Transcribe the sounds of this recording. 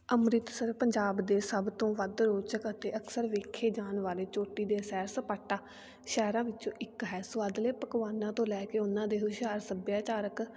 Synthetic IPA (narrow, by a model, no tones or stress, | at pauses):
əmɾɪt̪səɾpəɲd͡ʒaːbd̪eːsəbt̪õːʋəd̪ɾoːt͡ʃəkət̪eːəkʰsəɾʋeːkʰeːd͡ʒaːnʋaːleːt͡ʃoːʈːiːd̪eːsɛːɾsəpaːʈːaː | ʃɛːɾãːʋɪtːt͡ʃõːʔɪkɦɛːsʊaːd̪leːpəkʋaːnãːt̪õːlɛːkeːʊnãːd̪eːɦʊʃaːɾsəbjaːt͡ʃaːɾək